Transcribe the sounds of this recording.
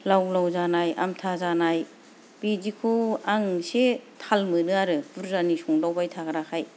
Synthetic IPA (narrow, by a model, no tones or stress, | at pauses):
lawlawzanaja̰mtʰazanaj | b̥id͡ʒikʰuaŋsetʰalmɯnɯaɾɯb̥uɾzanisuŋlawbajtʰaɡɾakʰaj